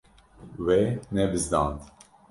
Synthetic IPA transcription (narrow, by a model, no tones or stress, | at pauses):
wenɛbɨzd̪ɑ̰̃ːnd̪